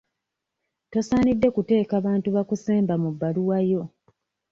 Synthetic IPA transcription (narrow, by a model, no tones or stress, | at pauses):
to̞saːnidːe̞kute̞ːkaβaːntuβakuseːmbamubːaluwajo̞